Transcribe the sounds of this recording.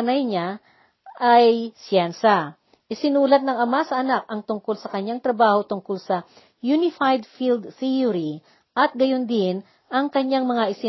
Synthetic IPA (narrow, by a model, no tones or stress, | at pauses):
nɐjɲa | ʔajsjɛnsɐa | ʔɪsɪnuːlɐt̪̚nɐŋɐmasɐʔɐnak̚ʔɐŋt̪ʊŋkolsɐkɐɲːaŋt̪ɾɐbaːho̞t̪ʊŋkolsɐ | junɪfajd̪̚fild̪θijʊɾi | ʔɐt̪̚ɡɐjond̪ɪn | ʔɐŋkɐɲjaŋmɐŋaʔɪsɪ